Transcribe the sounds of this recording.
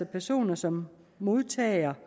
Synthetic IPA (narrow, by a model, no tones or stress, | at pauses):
ɐpʰæɐso̝̰ːnɐsɒ̽mː | o̝ð̞ˠt͡sʰɛ̰ːɐ